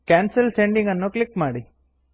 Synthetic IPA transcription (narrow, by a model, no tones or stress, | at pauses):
kaːnsɐlseɳɖiŋɡɐnːuklikmaːɽi